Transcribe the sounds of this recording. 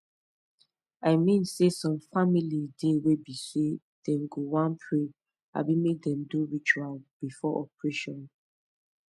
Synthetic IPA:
aɪmĩnsesɔ̃mfamilidewebise | d̥ɛ̃mɡowãnpʰɹe | a̰bimek̚dɛ̃mduɹit͡ʃualb̥ifɔʔɔpɹeʃɔ̃n

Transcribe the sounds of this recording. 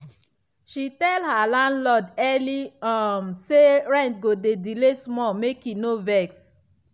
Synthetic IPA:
ʃitɛlhalãndlɔdɛliamseɹɛ̃ntɡodedilesmɔmekinovɛks

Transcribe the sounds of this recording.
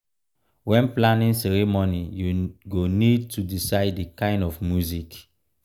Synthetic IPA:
wɛ̃nplãnĩnsɛɹemonijuɡonid̚tudisaɪdekãɪ̃ndɔfmjuzik

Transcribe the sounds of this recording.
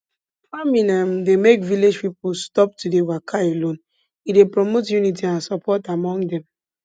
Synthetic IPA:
famĩnãmdemekviled͡ʒpipustɔp̚tudewakʰaelõn | idepɹɔmotjunit̬iãnsɔpʰɔtamɔ̃ŋdɛ̃m

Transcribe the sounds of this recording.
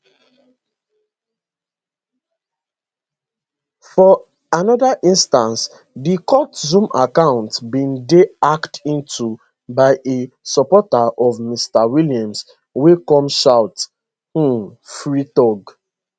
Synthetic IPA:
fɔ | anɔdaʔĩnstãns | dikʰɔtzũma̰kãʊ̃ntbĩndeaktĩntʰu | baɪʔe | sɔpɔtaʔɔvmistawiljãms | wekɔ̃mʃaʊt̩ | fɹitɔɡ

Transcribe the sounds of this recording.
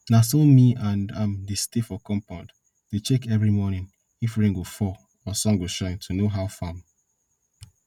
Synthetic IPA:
nasomiãndãmdestefɔkɔ̃mpãnd | det͡ʃɛkɛvɹimɔnĩn | ifɹĩŋɡofɔ | ɔsɔ̃mɡoʃãɪ̃ntʰunoɦaʊfãm

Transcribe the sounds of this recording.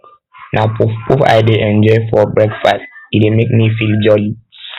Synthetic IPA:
nʔapfpufa̰ɪdeʔɛ̃nd͡ʒɔɪfɔbɹɛɡfastidemek̚mifild͡ʒɔli

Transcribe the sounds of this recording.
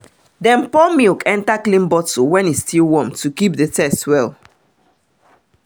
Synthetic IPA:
dɛ̃npɔmilkɛ̃ntaklĩnbɔtowɛ̃nistilwɔ̃mtukip̚dətɛstwɛl

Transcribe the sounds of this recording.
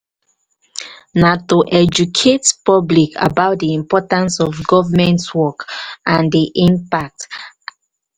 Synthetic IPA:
natoʔɛd͡ʒukʰetpɔblikʰa̰baʊt̚diĩmpɔtãnsɔvɡɔvəmɛ̃ntwɔkãndiʔĩmpak̚t

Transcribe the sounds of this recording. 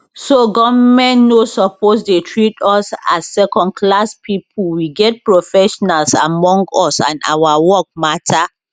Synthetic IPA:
soɡɔvmɛ̃nnosɔpos̬detʰɹitɔsa̰sːɛkɔ̃nd̚kʰlaspʰipʰulwiɡɛt̚pɹofɛʃɔnalsa̰mɔ̃ŋɡɔsã̰na̰wawɔk̚matʰa

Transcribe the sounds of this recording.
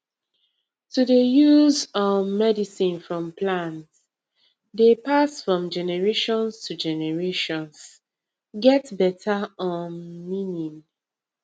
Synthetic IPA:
tudejuzɔmɛdisĩnfɹɔ̃mplãnt | depasfɹɔ̃md͡ʒɛnɛɹeʃɔ̃nstʰud͡ʒɛnɛɹeʃɔ̃ns | ɡɛtbɛtʰaɔ̃nminĩŋ

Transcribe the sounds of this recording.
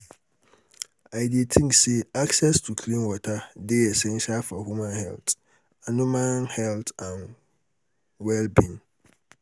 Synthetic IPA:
ajdietʰĩŋkseaksɛstʰukʰlĩnwɔtʰadɪɛsɛ̃nɕalfɔhumãnhɛ̰ltʰ | anʊ̃mãnhɛltʰãn | wɛlbĩn

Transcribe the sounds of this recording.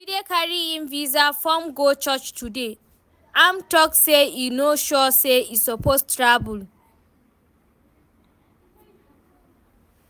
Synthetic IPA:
fidekaɹiĩnvizafɔ̃mɡot͡ʃɔt͡ʃtʰude | ãmtɔk̚seinoʃɔseisɔpostɹabul

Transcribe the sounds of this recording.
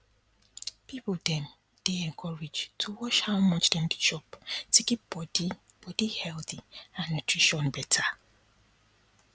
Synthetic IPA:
pipodɛ̃m | d̥eɛ̃ŋkʰɔɹed͡ʒtʰuwɔʃhawmɔt͡ʃdɛ̃mɡiʃɔptʰekibɔdi | b̥ɔdihɛlˠθiãnːutʰɹiʃɔ̃nbɛtʰa

